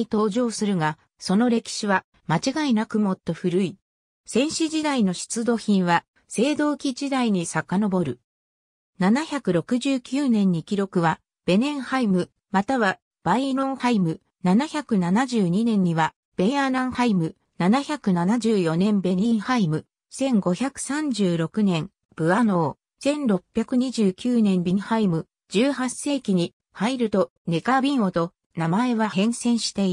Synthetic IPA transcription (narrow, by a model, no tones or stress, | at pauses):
it̪o̞ːʑo̞ːsɨɾɯ̟ɡa | so̞no̞ɾe̞kʲi̥ɕiβa | mat͡ɕiɡainakɯ̟mo̞t̪ːo̞ɸɯ̟ɾɯ̟i | sẽ̞ɰ̃ɕiʑid̪aino̞ɕi̥t͡sɨd̪o̞ːçĩɰ̃βa | se̞ːd̪o̞ːkʲid͡ʑid̪aiɲ̟isakano̞bo̞ɾɯ̟ | nanaçakɯ̟ɾo̞kɯ̟ʑɨːkʲɨːnẽ̞ɲ̟ːikʲiɾo̞kɯ̟βa | b̥e̞nẽ̞ɰ̃haimɯ̟ | mat̪aβa | b̥aiɾõ̞ɰhaimɯ̟ | nanaçakɯ̟nanaʑɨːɲ̟inẽ̞ɲ̟ːiβa | b̥e̞anãɰ̃haimɯ̟ | nanaçakɯ̟nanaʑɨːjo̞nẽ̞mbe̞nĩɰ̃haimɯ̟ | sẽ̞ŋɡo̞çakɯ̟̥sãɲ̟d͡ʑɨːɾo̞kɯ̟nẽ̞m | b̥ɯ̟ano̞ː | sẽ̞nɾo̞pʲːjakɯ̟ɲ̟iʑɨːkʲɨːnẽ̞mbʲĩɰhaimɯ̟ | d͡ʑɨːhasːe̞ːkʲiɲ̟i | haiɾɯ̟t̪o̞ | ne̞kabʲĩɰ̃o̞t̪o̞ | namae̞βahẽ̞ɰ̃sẽ̞ɰ̃ɕi̥t̪e̞i